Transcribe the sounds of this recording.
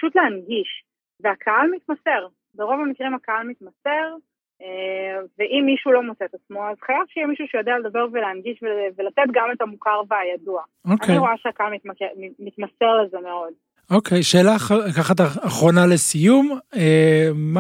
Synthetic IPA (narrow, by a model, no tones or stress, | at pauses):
pḁʃut̪leanɡiʃ | veakʰaalmit̪mase̞ʁ | beʁo̞vamikʁimakaalmit̪mase̞ʁ | eveʔimːiʃulo̞mot͡set̪at͡smo̞azχajav̥ʃijɛmiʃuʃejod̪eale̞d̪abeʁveleanɡiʃvevelatet̪ɡame̞tamukaʁveajadua | okaneiʁo̞aʃeakaalmit̪makeimit̪mase̞ʁleze̞meo̞d̪ | o̞kʰejʃe̞ːlalakaχat̪̬aaχʁo̞nale̞sijumem